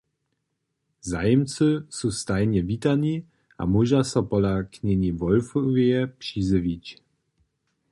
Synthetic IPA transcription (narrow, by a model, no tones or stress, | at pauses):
zajɛmt͡sɨsust̪ajɲɛvit̪aɲi | a̰muʒasɔpɔlakɲɛɲivɔlfɔvɛpʂizɨvit͡ɕ